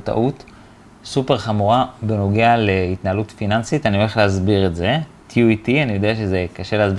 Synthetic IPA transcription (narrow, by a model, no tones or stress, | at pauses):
ta̰ʔut | supe̞ʁχamuʁabeno̞ɡealeitnaalutfinansitanioleχleɦazbiʁetze̞ | tjuitianijo̞deaʃe̞zekaʃe̞leaz